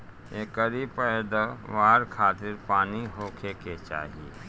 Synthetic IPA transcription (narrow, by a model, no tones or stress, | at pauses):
eːkəɾipəd̪əʋaːɾkʰaːt̪ɪɾpaːniɦoːkʰeket͡ʃa̰ːɦie